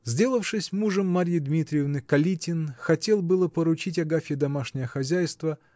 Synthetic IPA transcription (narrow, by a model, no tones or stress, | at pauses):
zʲdʲe̞lˠəfʂɨsʲmuʐəmːaɾʲjɪd̪mʲit̪ɾʲɪjɪvnɨkɐlʲitʲɪnxɐtʲe̞lˠbɨlˠəpəɾʊt͡ɕitʲɐɡafʲɪd̪ɐmaʂnʲɪjəxɐzʲæjst̪və